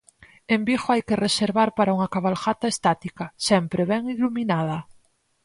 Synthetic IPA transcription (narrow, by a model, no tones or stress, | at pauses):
embixoajkereseɾβaɾpaɾauŋakaβalxat̪aest̪at̪ikasɛmpɾeβɛŋiluminað̞ɐ